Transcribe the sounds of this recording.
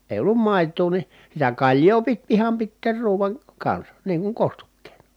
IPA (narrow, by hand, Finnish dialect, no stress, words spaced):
eˑi̯ olːum mɑˑi̯tˑuː ni sitæ kɑlʲjoː pit ihɑm pitːeːr ruːʋɑn kɑnsɑ niːŋ kuŋ kostukːeːnɑ̥